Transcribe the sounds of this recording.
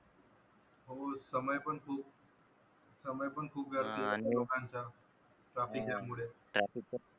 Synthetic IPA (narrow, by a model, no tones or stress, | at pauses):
ɦoːsəməjpəɳkʰuːp | səməjpəɳkʰuːpɡəɾt̪elokãnt͡ɕa | ʈɾaːfikjamuɽeːʈik